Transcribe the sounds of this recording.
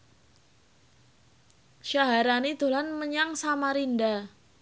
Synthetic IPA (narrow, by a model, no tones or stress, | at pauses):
ʃaɦaɾanid̪̥o̤lanməɲaŋsamaɾinda